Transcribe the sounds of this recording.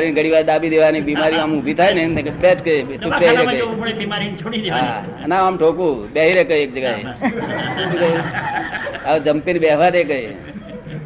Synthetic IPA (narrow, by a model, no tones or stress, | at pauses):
ɾinɡəɽiʋaːɾd̪abid̪eʋanibimaɾĩamũbʱit̪ʰajnekpɛt̪kəisukbeɦiɾeəpbimaɾint͡ʃʰoɽid̪eɦa | naamʈʰokũbeɦiɾekəeːk̚d͡ʒəɡae | t͡ʃukə | ad͡ʒəmpinbeʋaɾekəi